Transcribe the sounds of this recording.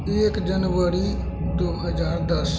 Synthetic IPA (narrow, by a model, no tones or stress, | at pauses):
ekd͡ʒənʋəɾi | d̪oɦəd͡ʒaɾd̪əs